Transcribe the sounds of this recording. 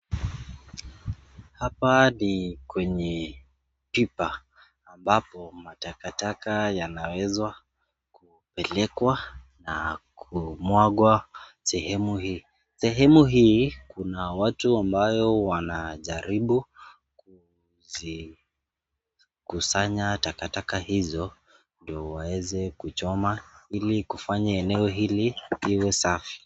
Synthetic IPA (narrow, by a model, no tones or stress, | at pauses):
hapanikwɛɲɛ | pipaː | mbapɔmatakatakajanawɛzwa | ku | pɛlɛkwa | na̰kʰumwaɠwasɛhɛmuhiː | sɛɦɛmuɦiːkunawatuambajɔwanaʄaɾiɓu | ku | zi | kusaɲatakatakahizɔ | ndiɔwawɛzɛkut͡ʃɔmailikufaɲaɛnɛɔɦiliiwɛsafi̥